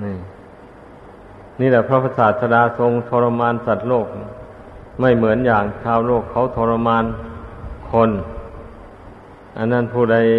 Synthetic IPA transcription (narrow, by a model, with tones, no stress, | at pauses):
niː˧˩ | niː˧˩lɛ˧˩pʰɾa˧˥˩pʰa˧˥saː˨˩t̪̚sa˧daː˧so˧ŋt̪ʰoː˧ɾa˧maː˧˥nsa˨˩t̪̚loː˥˩k̚ | ma˧˥˩jmɯ˩˦ənjaː˨˩ŋt͡ɕʰaː˧wloː˥˩kʰːa˧˥˦wt̪ʰoː˧ɾa˧maː˧n | kʰo˧n | ʔa˧˨nːa˥˩npʰuː˧˩da˧˩j